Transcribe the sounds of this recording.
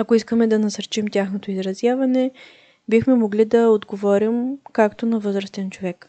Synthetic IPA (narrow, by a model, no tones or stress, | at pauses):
ɐkoiskəmɛd̪ɐnɐsɐɾt͡ʃimtʲaxnot̪oizɾɐzjavɐnɛ | bixmɛmoɡlid̪ɐod̪ɡovɔɾimkakt̪onɐvɤzɾəst̪ɛnt͡ʃovɛk